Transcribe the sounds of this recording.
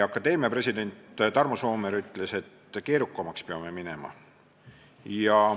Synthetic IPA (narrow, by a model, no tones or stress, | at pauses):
ɑkːˑɑd̪̥e̞ːmiɑpre̞sʲid̪e̞nʲt̪t̪ɑrmoso̞ːmeɾyt̪ːˑle̞se̞t̪ːke̞ːɾukːˑɑmɑkspeɑme̞minemɑ̰ | jɑ